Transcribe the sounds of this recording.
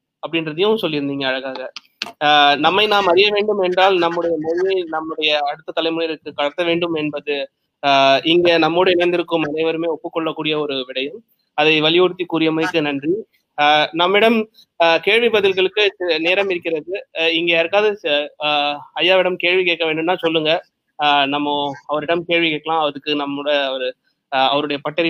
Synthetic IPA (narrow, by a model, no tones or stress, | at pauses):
ɐpːɐɽɪndrɐðɪjʊ̃sɔlːɪɾɯnd̪iːŋɡɐːɻɐɣaːɣɐ | nɐmːɐɪnaːmɐɾɪjɐʋeːɳɖɯmɛɳdraːlnɐmːɯɽɐjɐmɔɻɪjɐɪnɐmːɯɽɐjɐːɽɯt̪ːɐt̪ːɐlɐɪmʊnɪɾɯkːɯkɐɽɐt̪ːɐʋeːɳɖɯmɛnbɐðɯ | ʔɪŋɡɐnɐmːoːɽɐɪnɐɪnd̪ɪɾɯkːɯmɐðeːʋɐɾɯmeːɔpːɯkːɔɭːɐkːuːɽɪjɐɔɾɯʋɪɽɐjɯm | ɐðɐɪʋɐlɪjɔɽɯt̪ːikuːɾɪjɐmɐɪkːɯnɐndri | nɐmːɐɪɽɐm | keːɻʋibɐðɪlɣɐɭɯkːɯneːɾɐmɪɾɯkːɪɾɐðɯɪŋɡeːɐɾɯkːaːðɯ | ɐjːaːʋɪɽɐmkeːɻʋikeːkːɐʋeːɳɖɯmnːãːsɔlːɯŋɡɐ | nɐmːɐɐʋɐɾɪɽɐmkeːɻʋikeːkːɐɭãːɐʋɐðɯkːɯnɐmːɽɐɐʋɐɾɯ | ɐʋɐɾɯɽɐjɐpɐʈːɐɾɪ